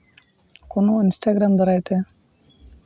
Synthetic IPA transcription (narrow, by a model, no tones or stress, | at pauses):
konːoinsʈaːɡɾaːmd̪ɐɾaːjt̪e